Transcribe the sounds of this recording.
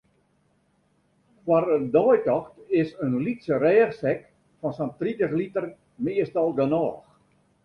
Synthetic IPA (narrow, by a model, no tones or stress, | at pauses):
kwarədɔjtɔxtɪsənlitsərɛːxsɛk | fɔnsɔntritəxlitər | mɪəstɔlˠɡənɔːx